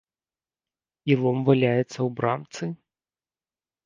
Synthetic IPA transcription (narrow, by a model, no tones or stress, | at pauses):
ilˠɔmvalʲajɛt̪sːɐwbɾamt̪sɨ